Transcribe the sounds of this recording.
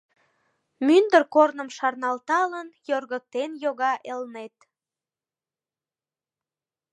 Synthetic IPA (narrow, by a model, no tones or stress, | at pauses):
mynd̪ərkornəmʃɑrnɑlt̪ɑlənjorɣək̚t̪enjoɣɑʔelnet̪